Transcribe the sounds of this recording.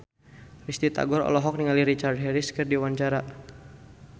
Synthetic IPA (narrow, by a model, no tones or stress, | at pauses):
rist̪it̪a̰ɡɔɾɔ̰lɔɦɔk̚niŋaliɾit͡ʃard̚ɦɛɾiskərdiwaɲt͡ʃaɾa